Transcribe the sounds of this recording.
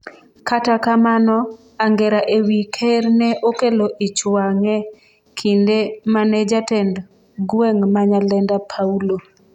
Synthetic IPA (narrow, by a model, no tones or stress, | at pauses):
katakamanɔ | aŋɡɛɾaʔewikʰernɛʔokeloʔit͡ʃwaŋɛ | kʰindemanɛd͡ʒatɛnd | ɡwɛŋmaɲalɛndapʰaulo